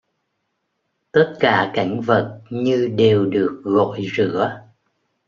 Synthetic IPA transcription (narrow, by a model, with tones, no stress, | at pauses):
t̪ə˦˥t̚kaː˧˩ka˧˩jŋ̟və˨˩t̚ɲɨ˧ɗe˨˩wɗɨ˨˩ək̚ɣo̰˧˨jzɨ̰˧˥ə